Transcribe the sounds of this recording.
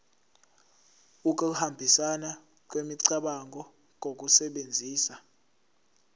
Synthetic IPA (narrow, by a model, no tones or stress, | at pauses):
uk̬ʼuhambʱisana | k̬ʼwemiǀaɓaŋɡʱɔ | ŋʱok̬ʼusɛɓend͡zʱiːsa